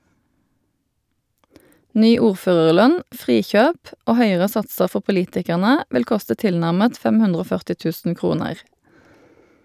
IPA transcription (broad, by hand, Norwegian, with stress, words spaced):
ˈnyː ˈuːʁˌføːʁəʁˌlœn ˈfʁiːˌçøːp ˈoː ˈhœʏəʁə ˈsɑtsəʁ ˈfɔ pʊˈliːtɪkæʁnə ˈʋɪl ˈkʊstə ˈtɪlnæʁmət ˈfɛm ˈhʉndʁ ˈoː ˈfœʁtɪ ˈtʉːsn̩ ˈkʁuːnəʁ